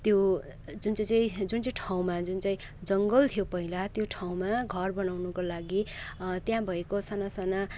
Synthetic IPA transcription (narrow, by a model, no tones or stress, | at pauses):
t̪jo | d͡zunt͡sãt͡saĩd͡zunt͡saĩʈʰaw̃mad͡zunt͡saĩ | d͡zʌŋɡʌlt̪ʰijopʌɦilat̪joʈʰaw̃maɡʱʌrbʌnawnukolaɡit̪jãbʱʌekosanasana